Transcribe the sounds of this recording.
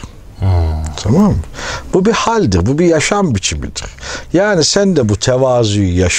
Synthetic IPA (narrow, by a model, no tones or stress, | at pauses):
t̪ʰamamb̥ubihalʲd̪iɾbubijaʃambit͡ʃʰimḭd̪ḭɾ̥jaːnisænd̪ɛbut̪ʰɛvaːzyjjaʃ